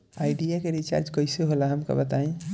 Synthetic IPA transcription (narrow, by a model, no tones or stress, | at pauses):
ajɖijakeɾit͡ʃa̰ɾd͡ʒkəjseɦolaɦəmkə̰bət̪aĩ